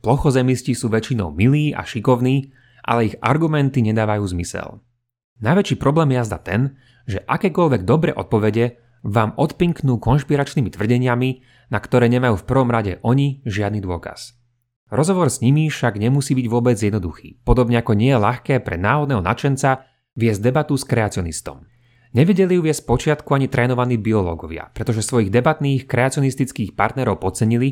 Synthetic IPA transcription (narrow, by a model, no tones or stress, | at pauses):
plɔxɔzɛmiscisuːʋɛt͡ʃinɔ̰ʊmiliːa̰ʃikɔʊniː | ʔa̰lɛiɣa̰ɾɡumɛnt̪iɲɛd̪aːʋajuːzmisɛ̰l | najʋɛt͡ʃiːpɾɔblɛːmjɛjazd̪a̰t̪ɛn | ʒɛʔakɛːkɔʎʋɛɡ̚d̪ɔbɾɛ̰ʔɔt̪̚pɔʋɛɟɛ | ʋaːmɔt̪piŋknuːkɔnʃpiɾat͡ʃnimit̪ʋr̩ɟɛɲɪami | nakt̪ɔɾɛːɲɛmajuːfpr̩ʋɔmɾaɟɛ̰ʔɔɲiʒɪad̪nid̪ʊɔka̰s | ɾɔzɦɔʋɔɾzɲimifʃaɡɲɛmusiːbiɟʋʊɔbɛd͡zjɛd̪nɔd̪uxḭːpɔd̪ɔbɲɛakɔɲɪɛjɛlaxkɛːpɾɛ̰naːɦɔd̪nɛːɦɔna̰t͡ʃɛnt͡sa | ʋɪɛzɟd̪ɛbat̪uskɾɛat͡siɔnist̪ɔ̰m | ɲɛʋɛɟɛlijuːʋɪɛsc̚pɔt͡ʃɪat̪kuaɲit̪ɾʔɛːnɔʋaniːbiɔlɔ̰ːɡɔʋɪa̰pɾɛt̪ɔʒɛsʋɔjiɣd̪ɛbat̪niːxkɾɛat͡siɔnist̪it͡skiːxpa̰ɾt̪nɛɾɔʊpɔt͡sɛɲili